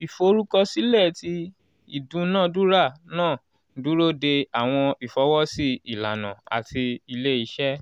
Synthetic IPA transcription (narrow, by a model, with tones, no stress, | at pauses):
i˨fo˨˧˦ɾu˦kɔ˦si˦lɛ˦˨ti˧ | i˦˨dũ˧˦nãː˦˨du˦ɾa˦˨nãː˦˨ | du˦ɾo˦˨de˧a˨w̃ɔ̃˧i˨fɔ˨˦wɔ˦si˦i˨la˨nã̰˨a̰˨tʰi˧i˧le˦i˧˦ʃɛ˦